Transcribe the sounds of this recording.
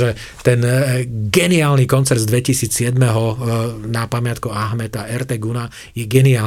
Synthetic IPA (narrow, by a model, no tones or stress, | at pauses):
ʒɛ | t̪ɛnɡɛniaːlnikɔnt͡sɛɾd̪zd̪ʋɛcisiːt͡ssɪɛd̪mɛɦɔnapamɪat̪kuaɦmɛt̪aɛɾt̪ɛɡuna | jɛɡɛniaː